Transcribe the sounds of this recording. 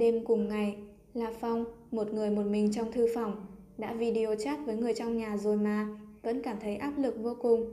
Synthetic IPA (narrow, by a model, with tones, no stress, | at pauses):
ɗe˧mkʊ˨˩ŋ͡mŋa˨˩j | laː˨˩fɔ˧wŋ͡mmo˨˩t̚ŋɨ˨˩əjmo˨˩t̚mï˨˩ŋ̟t͡ɕɔ˧wŋ͡mt̪ʰɨ˧fɔ˧˩wŋ͡m | ɗa̰ː˧˥vi˧ɗi˧ʔo˧˩t͡ɕaː˦˥t̚vəː˨˦jŋɨ˨˩əjt͡ɕɔ˧wŋ͡mɲaː˨˩zo˨˩jmaː˨˩və̰˧˥nkaː˧˩mt̪ʰə˨˦jʔaː˦˥p̚lɨ˨˩k̚vo˧kʊ˨˩ŋ͡m